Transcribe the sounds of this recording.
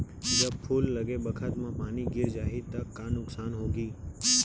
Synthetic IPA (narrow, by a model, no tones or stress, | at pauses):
d͡ʒəbpʰuːlːəɡebəkʰət̪mãpaːniɡɪɾd͡ʒaːɦɪt̪əkːaːnʊksaːnɦoːɡiː